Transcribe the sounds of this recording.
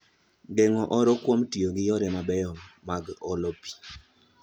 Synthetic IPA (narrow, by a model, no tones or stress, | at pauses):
ɡɛŋɔʔɔɾɔkwomtioɡɪjɔɾɛmabɛjɔmːaɡɔlɔpi̥